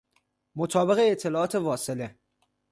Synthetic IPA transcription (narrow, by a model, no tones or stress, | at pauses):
mot̪ʰɒːbe̞ɣeːt̪ʰːe̞lɒːʔɒːt̪ʰe̞vɒːsele